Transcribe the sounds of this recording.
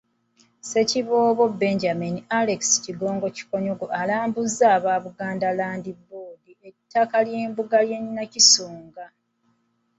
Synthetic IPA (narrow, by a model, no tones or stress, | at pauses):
se̞ciβoːβo̞be̞ɲɟaminialeksi̥ciɡo̞ːŋɡo̞ci̥ko̞ɲoɡoʔalaːmbuzːaːβaːβuɡaːndalaːndiboːdie̞tːakaljeːmbuɡaljeɲinacisoːŋɡa